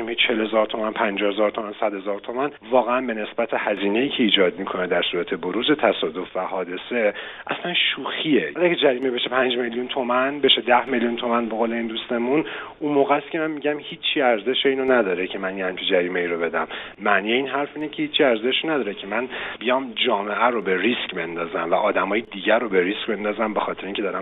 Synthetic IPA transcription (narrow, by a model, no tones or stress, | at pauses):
imhit͡ʃʰelhe̞zɒːɾt̪ʰo̞mænpʰænd͡ʒɒːhezɒːɾt̪ʰo̞mænsæd̪̥hezɒːɾt̪ʰo̞mænvɒːɣeænbe̞ne̞sbæt̪ʰehæziːne̞iːcʰe̞iːd͡ʒɒːd̪mikʰo̞ned̪æɾsuːɾæt̪ʰe̞boɾuːze̞t̪ʰæsɒːd̪o̞fvæhɒːd̪e̞se̞ | ʔæ̰slænʃuːxieæked͡ʒæɾiːmebe̞ʃepʰænd͡ʒme̞ljunt̪ʰomænbe̞ʃed̪æhme̞ljunt̪ʰo̞mænbe̞ɣoːle̞iːnd̪ust̪e̞mununmoːɣæskʲʰemænmiɟæmhiːt͡ʃʰːiæɾze̞ʃeiːnonæd̪ɒːɾecʰemænjehæmt͡ʃʰid͡ʒæɾiːme̞iːɾobe̞d̪æmːæʔnijeiːnɦæɾfiːnecʰehiːt͡ʃʰːiæɾze̞ʃonæd̪ɒːɾecʰe̞mænbijɒːmd͡ʒɒːme̞ʔæɾobe̞ɾiscbe̞nd̪ɒːzæmvæʔɒːd̪æmɒːjed̪iːɟæɾobe̞ɾiscbe̞nd̪ɒːzæmbe̞xɒːt̪ʰeɾeiːŋcʰed̪ɒːɾæm